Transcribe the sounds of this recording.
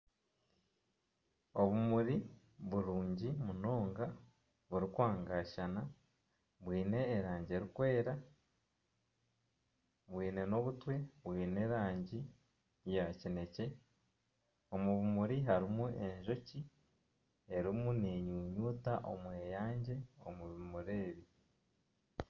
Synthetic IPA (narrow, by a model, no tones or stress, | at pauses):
o̞βumuɾi | βuɾuːɲɟimuno̞ːŋɡa | βuɾikwaːŋɡaʃana | βwiːne̞ːɾaːɲɟie̞ɾikwe̞ːɾa | βwiːne̞no̞βutwe̞βwiːne̞ɾaːɲɟi | jacine̞ce̞ | o̞muβimuɾiɦaɾimue̞ɲʒo̞ci | e̞ɾimune̞ɲuːɲuːtaʔo̞̰mweːjaːɲɟe̞o̰muβumuɾeːɾi